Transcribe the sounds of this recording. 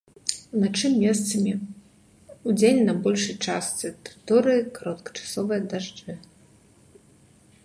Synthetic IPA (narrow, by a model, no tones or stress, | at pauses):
unat͡ʂɨmʲːɛst̪sɐmʲi | ud͡zʲenʲnɐbɔlʲʂɨjt͡ʂast̪sɨt̪rɨt̪ɔɾɨjikaɾɔt̪kɐ̥t͡ʂḁsɔvɨjɐd̪aʐd͡ʐɨ